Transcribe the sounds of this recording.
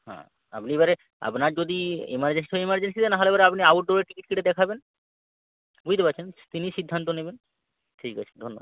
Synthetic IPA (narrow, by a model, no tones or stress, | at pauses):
hã̰ | a̰pniebaɾe | a̰pnaɾd͡ʑod̪iḭmaɾd͡ʑensi̥oeimaɾd͡ʑensid̪enaɦɔlebaɾeapniauʈ̚ɖoɾeɾʈikiʈ̚kiʈed̪ɛkʰaben | bud͡ʑt̪epatːt͡ɕʰent̪iniʃid̪ʱːant̪oneben | ʈʰika̰t͡ɕʰe̥d̪ʱonːoba